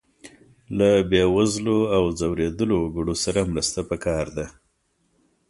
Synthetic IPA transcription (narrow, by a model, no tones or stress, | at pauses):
labewazloawzawɾed̪əloɡəɖosaɾamɾəst̪apəkɑɾd̪a